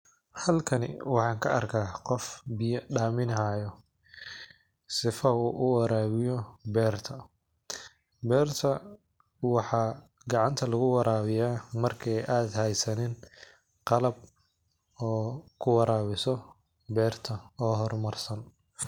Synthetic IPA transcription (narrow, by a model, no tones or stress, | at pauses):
hɐlkʰɐnɪ̰wɑħɑːŋkʰɐɐrkʰaːqɔfbɪjɐɖaːmɪnɐɦaːjɔ | sɪfɐuːʔʊwɑɾaːβɪjɔbɛːrt̪ʰɐ | bɛːrt̪ʰɐ | wɑħɑː | ɡɑʕɑnt̪ʰɐlɐɣʊwɑɾʔaːβɪjaːmɐrkʰɛjʔaːd̪hɛjsɐnɛːn | qɑlɐb̚ | ɔːkʰʊwɑɾʔaːβɪsɔ | bɛːrt̪ʰɐɔːɦɔrmɐrsɐn